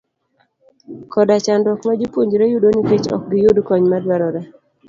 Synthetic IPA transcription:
kɔdat͡ʃandɔkmad͡ʒipuɲd͡ʒɾejudoniket͡ʃɔ̰k̚ɡɪjudkɔɲmadwaɾɔɾa

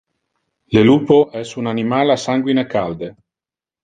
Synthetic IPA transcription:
leluːpoʔɛsunanimalasaŋɡwinekald̪e

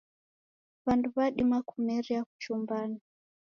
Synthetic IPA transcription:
βanduβaɗimakumɛɾiaku̥t͡ʃumbani

